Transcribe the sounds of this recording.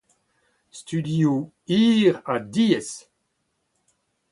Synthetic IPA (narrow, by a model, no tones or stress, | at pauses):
st̪ydio | iːʁadiːɛs